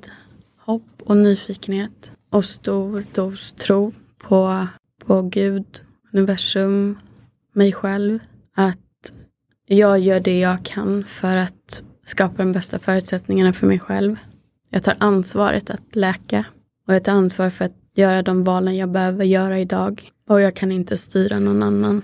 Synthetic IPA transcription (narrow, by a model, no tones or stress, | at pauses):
d̪ | hɔpːɔnyːfiːkənheːt̪ʔɔst̪uːɾd̪uːst̪ʰɾuː | pʰɔ | pʰɔɡʉ̟ːd̪ | ɵnɪvæʂɵmː | ɛjɧɛlv | at̪ | jɑːɡjœːɖɛjɑːɡkʰanfœɾat̪ | skɑːpad̪ɔmbɛst̪afœːɾʉ̟t̪sɛt̪nɪŋanafœɾmɛjɧɛ̰lv | jɑ̰ːɡt̪ʰɑ̰ːɾʔansvɑ̰ːɾʔə̰t̪ʰat̪lɛːka | ɔjaɡt̪ʰɑɾansvɑːɾfœɾat̪̚ | jœːɾad̪ɔmvɑːlənjɑːɡbɛhøːvəɾjœːɾaɪd̪ɑːɡ | ɔjɑːɡ̚kʰanɪnt̪ʰəst̪yːɾanɔnːanːan